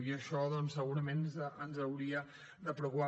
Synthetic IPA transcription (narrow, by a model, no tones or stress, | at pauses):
iəʃɔðɔnsːəɣuɾəmenənzəwɾiə | d̪əpɾukupa